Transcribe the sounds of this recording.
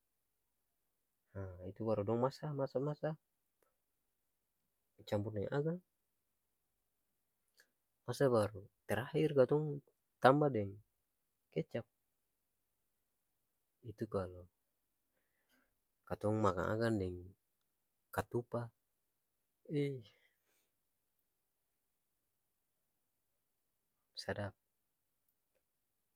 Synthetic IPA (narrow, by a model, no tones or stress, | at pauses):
hait̪ubaɾudɔŋmasamasamasa | t͡ʃamburdɛŋʔaɡaŋ | masabaɾut̪ɛɾahirkat̪ɔŋ | t̪ambadɛŋ | kɛt͡ʃap̚ | it̪ukalɔ | kat̪ɔŋmaka̰ʔa̰kandɛŋ | kat̪upa | i | sadap̚